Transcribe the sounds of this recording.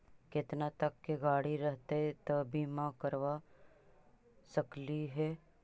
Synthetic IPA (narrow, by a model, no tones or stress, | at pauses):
kɪt̪nat̪əkːeɡaːɽiɾəɦt̪eɦɛt̪əbʱimãkəɾʋa | səkliɦɛː